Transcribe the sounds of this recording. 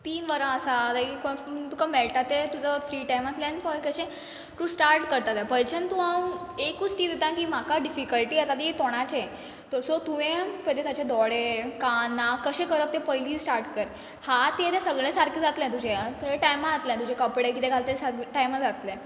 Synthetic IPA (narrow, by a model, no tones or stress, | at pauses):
t̪iːnʋəɾə̃əsalakikot̪ukameɭʈat̪et̪ud͡zəfɾiʈajmat̪lãnpɔlkəɕẽ | t̪ũsʈaɾʈkəɾt̪at̪japəjt͡ɕʰənt̪uaekusʈiːd̪et̪ãkimakaɖifikəlʈiːat̪at̪et̪ɔɽ̃at͡ɕe | t̪oɾsot̪uʋẽpəd̪et̪at͡ɕed̪ɔɽekanːakːəɕẽkəɾəp̚t̪ẽpəjlĩsʈaɾʈkəɾ | hat̪ẽt̪ẽsəɡɭẽsaɾkid͡zat̪lẽt̪ud͡ʑẽt̪ẽʈajmaat̪ljãt̪ud͡ʑẽkɔpiɽek̬it̪ẽɡʱalt̪esaɾiʈajmad͡zat̪lẽ